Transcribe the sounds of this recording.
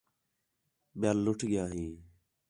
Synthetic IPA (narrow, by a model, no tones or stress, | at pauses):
ɓɪjaːlːʊʈʰɠɪjaːɦĩː